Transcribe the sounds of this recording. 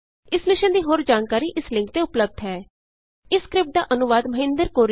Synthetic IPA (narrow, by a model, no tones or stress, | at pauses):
ɪsmɪʃə̃nd̪iːɦoːɾd͡ʒaːnkaːɾiːʔɪslɪ̃ŋkt̪eːʊpləb̚d̪ɦɛː | ɪskɾɪp̚ʈ̚d̪aːʔənʊʋaːd̪məɦɪ̃nd̪əɾkoːɾ